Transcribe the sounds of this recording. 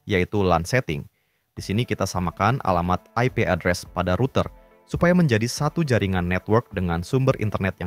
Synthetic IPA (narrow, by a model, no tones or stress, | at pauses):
jait̪ulansɛt̪ɪ̰ŋ | d̥isinikit̪asamakanʔa̰lamat̪̚aipeʔadɾɛspadaɾut̪ər | supajaməɲd͡ʒadisat̪ud͡ʒaɾiŋanːɛt̪wərk̚dəŋansumbərʔḭnt̪ərnɛt̪̚ja